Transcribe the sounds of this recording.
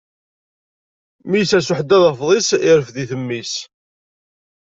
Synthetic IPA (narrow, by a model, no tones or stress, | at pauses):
mijsæsʊħəd̪ːæðəfðˤisɪɾəfðiθəmːis